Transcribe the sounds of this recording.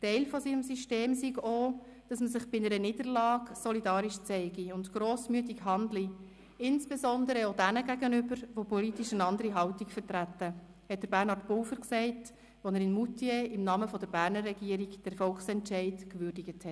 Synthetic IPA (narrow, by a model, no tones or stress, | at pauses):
tɛɪlfɔsiːnəmsyʃteːmsiɡoː | d̥ɑsməsɪχb̥ɪnəɾəniːd̥əɾlɑːksɔlidɑːɾiʃt͡sɛɪɡiʊntɡɾoːsmyət̬ikɦɑndli | ɪnsb̥esɔndəɾəodænəɡæɡənʏbəɾʋopɔlitiʃəndɑndəɾiɦɑʊtikfəɾtɾætːə | hɛt̚d̥əɾbæɾnhɑrtpʊlfəɾksɛɪt | ʋonɛɾɪnmutieɪmnɑːməfɔdəɾbæːɾnərːɛɡiːəɾiɡd̥ɛɾfɔlksɛntʃɛɪdkʋʏɾdiɡəthɛ